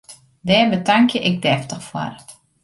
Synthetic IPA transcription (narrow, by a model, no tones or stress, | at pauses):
dɛːnbətaŋkjəʔɪk̚dɛftəxfwɔ̰r